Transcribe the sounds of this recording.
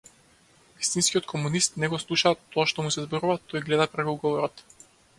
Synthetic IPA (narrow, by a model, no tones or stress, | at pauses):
vist̪inskʲiɔt̪kʰɔmunist̪nɛɡɔslˠuʃat̪ɔaʃt̪ɔmusɛzbɔɾuvat̪ɔjɡlɛd̪apɾɛkiuɡɔvɔɾɔt̪